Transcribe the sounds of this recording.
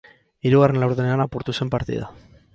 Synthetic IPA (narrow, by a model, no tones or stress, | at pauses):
iɾuɣare̞nlawɾðene̞anapuɾt̪use̞mpaɾt̪ḭða̰